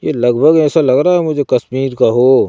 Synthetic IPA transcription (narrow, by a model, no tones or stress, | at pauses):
jelɐɡbʱəɡɛːsalɐɡɾaːɦɛmʊd͡ʒʱekɐsmiːɾkaɦoː